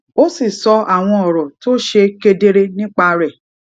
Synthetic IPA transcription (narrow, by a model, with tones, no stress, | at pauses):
o˦si˦˨sɔ˧a˨w̃ɔ̃˧ɔ˨ɾɔ˨to˦ʃe˧ke˧de˧ɾe˦nĩ˦k͡pa˧ɾɛ˦˨